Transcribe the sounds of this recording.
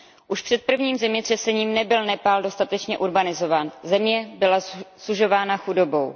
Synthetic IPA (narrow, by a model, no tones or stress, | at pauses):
ʔuʃpr̥ɛt̪̚pr̩vɲiːmzɛmɲɛt̪r̥ɛsɛɲiːmnɛbɪlnɛpaːldo̞st̪at̪ɛt͡ʃɲɛʔuɾbanɪzo̞vaːnzɛmɲɛbɪlasuʒo̞vaːnaxudo̞bo̞w